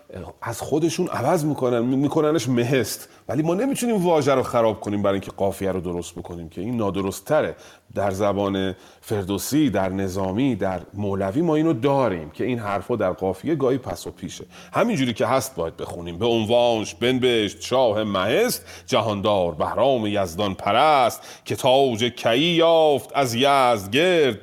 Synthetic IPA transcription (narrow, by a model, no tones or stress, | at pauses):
æz̥xo̞d̪e̞ʃuːnʔæ̰væzmiːkʰonænmiːkʰonæneʃme̞ɦe̞st̪ | væliːmɒːne̞miːt̪ʰuniːmvɒːʒæɾoxæɾɒːb̥̚kʰo̞niːmbæɾːjiŋcʰeɡɒːfijæɾod̪o̞ɾo̞st̪̚bo̞kʰo̞niːmcʰe̞iːnːɒːd̪o̞ɾost̪ʰːæɾe̞ | d̪æɾzæbɒːne̞ | fe̞ɾd̪osid̪æɾne̞zɒːmid̪æɾmolæviːmɒːiːnod̪ɒːɾiːmcʰe̞iːnɦæɾfɒːd̪æɾɡɒːfijeɡɒːhiːpʰæsopʰiːʃe̞ | hæmind͡ʒuːɾiːcʰe̞ɦæst̪̚bɒːjæd̪̚be̞xuniːmbeonvɒːnʃbe̞nbeʃt̪ʃɒːhe̞mæhe̞st̪d͡ʒæɦɒːnd̪ɒːɾbæhɾɒːmejæzd̪ɒnpʰæɾæst̪ | cʰe̞t̪ʰɒːbd͡ʒecʰæʔiːjɒːft̪ʰæzjæzd̪ɟeɾd̪̚